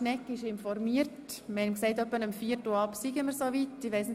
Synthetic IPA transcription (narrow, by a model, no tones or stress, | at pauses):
nɛkːɪʃɪnfɔɾmiəɾtməhɛmksɛɪtœpːənəmfiːəɾtlɑpsiɡəməɾsoːʋitːɪʋɛɪsn